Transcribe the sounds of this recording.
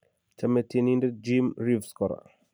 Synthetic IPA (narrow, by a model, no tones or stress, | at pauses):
t͡ʃametininded͡ʒimɾivskɔɾa̰